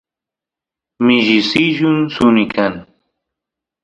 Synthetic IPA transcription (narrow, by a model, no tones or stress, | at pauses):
mɪʒɪsɪʒʊnsʊnɪkʰaŋ